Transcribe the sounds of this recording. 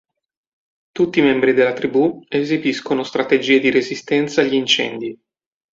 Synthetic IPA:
t̪ut̪ːimɛmbɾid̪elːat̪ɾibuezibiskonost̪ɾat̪ed͡ʒiːed̪iɾezist̪ɛnt̪saːʎːiːnt͡ʃɛ̰nd̪i

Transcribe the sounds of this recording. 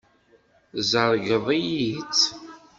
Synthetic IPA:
zəɾˤɡəðˤijit͡s

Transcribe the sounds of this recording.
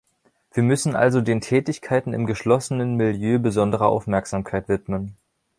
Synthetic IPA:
v̥iːɐmʏsn̩ʔa̰lzodeːntʰɛːtɪçkʰaɪtn̩ɪ̰mɡəʃlɔsənənmɪljøːbəzɔndəʁ̞ɐʔa̰ʊfmɛɐkz̥aːmkʰaɪtv̥ɪtmən

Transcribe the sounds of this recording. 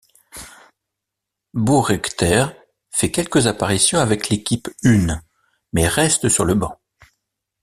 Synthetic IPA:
buʁɛkt̪ɛʁ | fɛkʲɛlkəzapaʁisjɔ̃avɛklekʲipyn | mɛʁɛst̪əsyʁləbɑ̃

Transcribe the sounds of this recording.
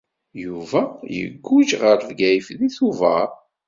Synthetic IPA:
juvæjə̰ɡːud͡ʒʁəɾvɡæjəfðiθuvəɾ

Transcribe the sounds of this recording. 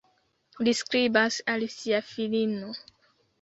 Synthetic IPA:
liskɾibasalsiafilino

